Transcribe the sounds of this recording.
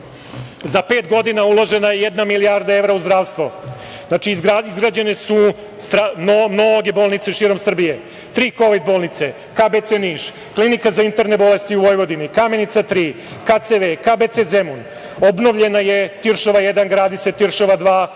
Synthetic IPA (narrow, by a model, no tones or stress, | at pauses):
zape̞ːt̪ɡo̞d̪inaulˠo̞ʒe̞najejed̪namilijaɾd̪aeʋɾauzd̪ɾaːʋst̪ʋo | znat͡ʃiɡaizɡɾad͡ʑene̞su | st̪ɾanomnoɡe̞bo̞ːlˠnit̪se̞ʃiːɾo̞msr̩bije̞ | t̪ɾiːko̞ʋid̪̚bolnit̪se | kaːbet̪seniːʃ | klinikazaint̪e̞ɾne̞bo̞le̞st̪iuʋo̞jʋo̞d̪inikame̞nit̪sat̪ɾiː | kat̪seʋekaːbet̪sezemun | o̞bno̞ʋʎe̞naje̞t̪iɾʃoʋajed̪anɡɾaːd̪iset̪iɾʃoʋad̪ʋaː